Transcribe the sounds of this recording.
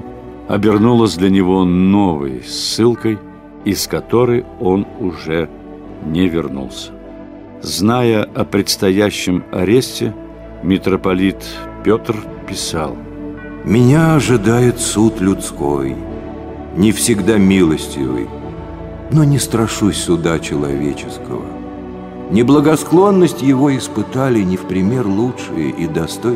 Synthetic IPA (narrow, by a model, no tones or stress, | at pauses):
ɐ̰bʲɪrnulˠəsʲd̪lʲənʲɪvo̞novɨ̰jsːɨlˠkəj | iskɐt̪o̞ɾɨjo̞nʊʐɛ | nʲɪvʲɪrnṵlˠsʲə̥ | znajəɐpɾʲɪt̪st̪ɐjæɕːɪmɐ̰ɾʲesʲtʲɪ | mʲɪt̪ɾəpɐlʲit̪pʲot̪rpʲɪsa̰lˠ | mʲɪnʲaɐʐɨd̪ajɪt̪sut̪lʲʊt̪sko̰j | nʲɪfsʲɪɡd̪amʲilˠəsʲtʲɪ̰vɨ̰j | nonʲɪst̪ɾɐʂusʲsʊd̪at͡ɕɪlˠɐ̰vʲet͡ɕɪskə̰və̰ | nʲɪblˠəɡɐsklˠo̞nːəsʲtʲjɪvo̞ɪspɨt̪alʲɪnʲɪfpɾʲɪmʲe̞rlˠuʂɨjə̰ʔid̪ɐst̪o